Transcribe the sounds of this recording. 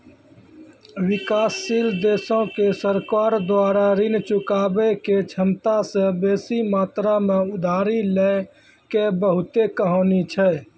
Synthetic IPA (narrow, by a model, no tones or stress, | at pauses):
wɪkaːsːiːld̪eːsõkesəɾkaːɾd̪waːɾaɾɪnt͡ʃʊkaːbeket͡ʃʰəmt̪asẽbeːsimaːt̪ɾamẽʊd̪ʱaːɾilɛ | kebəɦʊt̪ekəɦɔːnit͡ʃʰɛː